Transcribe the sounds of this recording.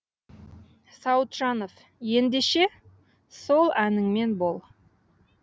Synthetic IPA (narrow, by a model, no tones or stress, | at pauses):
sɑwt̪ʒ̥ɑnof | je̞nd̪e̞ʃe̞ | so̞lˠænɪŋme̞nbo̞lˠ